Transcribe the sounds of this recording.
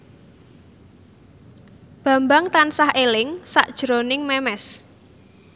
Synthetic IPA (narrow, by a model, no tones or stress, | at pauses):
b̥a̤mbaŋt̪ansahʔelɪŋsa̰ʔd̥ʒ̥ɾonɪŋmɛmɛs